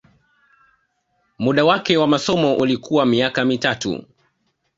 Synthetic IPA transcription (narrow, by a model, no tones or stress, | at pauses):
muɗawakɛwamasɔmɔʔulikʰuwamiakamitatṵ